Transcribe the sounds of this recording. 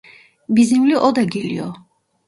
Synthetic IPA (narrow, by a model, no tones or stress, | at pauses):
bizimliʔɔd̪aɡilḭɔ